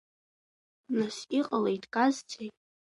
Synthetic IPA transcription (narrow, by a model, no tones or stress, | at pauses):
nasiqʼalejtʼʰkʼazt͡sʰʼejʼ